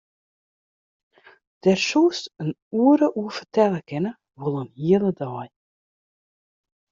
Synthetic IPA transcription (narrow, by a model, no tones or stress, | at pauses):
d̪̥ɛɾʃuːsən | uːɾəʔuːfə̥t̪ɛləkɛnə | vulˠəmhiːəlˠəd̪ɑːj